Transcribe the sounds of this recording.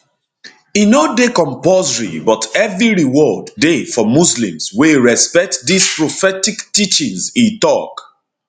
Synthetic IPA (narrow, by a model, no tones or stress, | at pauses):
inodekɔ̃mpɔzɹḭbɔtɛvɹiɹiwɔdːefɔmuslḭ̃mzweɹɛspɛk̚tdispɹofɛtiktit͡ʃĩŋzĩtɔk